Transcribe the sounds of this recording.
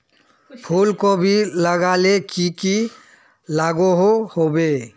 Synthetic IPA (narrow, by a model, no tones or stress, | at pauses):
pʰuːlkobʱiləɡaːlekiki | laːɡuɦohobeː